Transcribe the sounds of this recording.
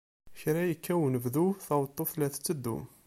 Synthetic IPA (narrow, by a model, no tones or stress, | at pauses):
çɾæjəkʰːæwənəvðuθɑwt̪ˤːoθlæθt͡sːəd̪ːṵ